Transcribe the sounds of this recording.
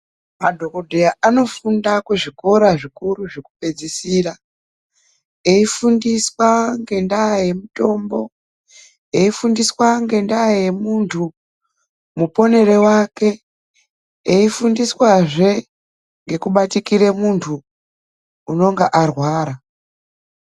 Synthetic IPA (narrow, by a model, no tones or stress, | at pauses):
madʱo̞kodʱejaano̞fundakeʐiko̞ɾaʐikuɾuʐeku̥pe̞d͡zisira | eifundiswaŋɡe̞ndaje̞muto̞mbo̞ | eifundiswaŋɡe̞ndaje̞muntʰu | mupo̞ne̞ɾe̞wake̞ | eifundiswaʐe̞ | ŋɡe̞kuɓatikiɾemuntʰuː | no̞ŋɡaʔarwaːɾa